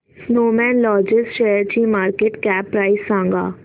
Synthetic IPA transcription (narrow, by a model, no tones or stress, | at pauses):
snoːmɛ̃ːnlɔːd͡ʒɪsʈʃeːjəɾt͡ʃiːmaːɾkeːʈkɛːpːɾaːisːãːŋɡa̰ː